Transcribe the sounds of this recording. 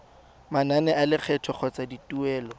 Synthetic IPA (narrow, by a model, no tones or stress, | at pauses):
mananɛalɪk͡xʰɛtʰɔk͡xʰɔt͡saditʼuɛːlɔ